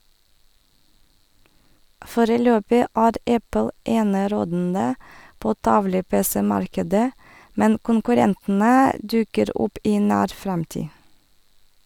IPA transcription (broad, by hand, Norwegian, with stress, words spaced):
ˈfoːɾəˌløːpɪ ˈæːɾ ˈɛpl̩ ˈeːnəˌɾoːdn̩də ˈpoː ˈtɑʋlə ˈpeːsɛ ˈmɑɾkədə ˈmɛn kʊŋkʉˈɾɛntn̩ə ˈdʉkəɾ ˈʊp ˈiː ˈnæːɾ ˈfɾɛmtiː